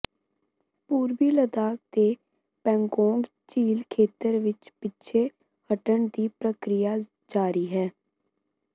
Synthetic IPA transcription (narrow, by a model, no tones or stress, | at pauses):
puːɾbiːləd̪aːk̚t̪eː | pɛ̃ːŋɡɔːŋɡ | t͡ʃiːlkʰeːt̪əɾʋɪt͡ʃpɪtːʃʰeː | həʈəɳd̪iːpɾəkɾɪjaː | d͡ʒaːɾiːɦɛː